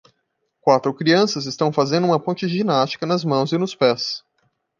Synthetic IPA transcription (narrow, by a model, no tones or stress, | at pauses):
kwat̪ɾʊkɾiɐ̃sɐzɪst̪ɐ̃w̃fazẽnd̪ʊũmɐpõnt͡ʃɪʒinast͡ʃi̥kɐnɐzmɐ̃w̃zɪnʊspɛs